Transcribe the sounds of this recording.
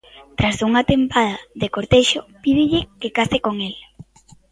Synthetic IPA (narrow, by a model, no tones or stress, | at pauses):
t̪ɾasuŋat̪empaðaðekoɾt̪eʃopiðɪʎɪkekasɪkoŋel